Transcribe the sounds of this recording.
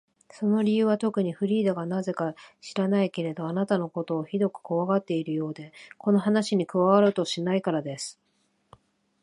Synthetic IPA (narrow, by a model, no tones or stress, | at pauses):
so̞no̞ɾʲijɯ̟ːβat̪o̞kɯ̟ɲ̟iɸɯ̟ɾʲiːd̪aɡanaze̞kaɕiɾanaike̞ɾe̞d̪o̞anat̪ano̞ko̞t̪o̞ːçid̪o̞kɯ̟̥koβaɡat̪ːe̞iɾɯ̟jo̞ːd̪e̞ko̞no̞ɦanaɕiɲ̟ikɯ̟βaβaɾɯ̟t̪o̞ɕinaikaɾad̪e̞sɨ̥